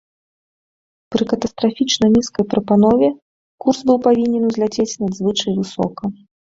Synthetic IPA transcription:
pɾɨkɐt̪ɐst̪ɾafʲit͡ʂnɐnʲiskɐjpɾɐpanɔvʲɛ | kurzbɨwpavʲinʲɛnuzʲlʲat͡sʲet͡sʲnɐd̪zvɨt͡ʂɐjvɨsɔ̰kɐ

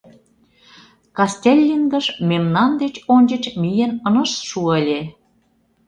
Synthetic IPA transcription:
kɑst̪ʲelʲːinɡə̆ʃmemnɑnd̪et͡ɕonʲt͡ɕə̆t͡ɕmijĕnə̆nə̆ʃʃuəlʲe

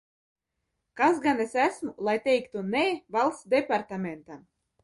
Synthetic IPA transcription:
kas̬ɡanɛsæsmulˠajt̪ʲɛjkt̪unɛːvalˠt̪sd̪ɛpaɾt̪amʲɛnt̪a

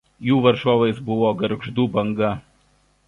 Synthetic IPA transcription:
juːʋɐɾʒoːʋɐɪsbʊʋoːɡɐɾɡʒd̪uːbɐŋɡɐ

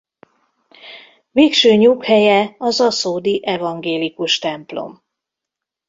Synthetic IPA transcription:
veːkʃøːɲukhɛjɛɒzɒsoːd̪iʔɛvɒŋɡeːlikuʃt̪ɛmplo̞̰m

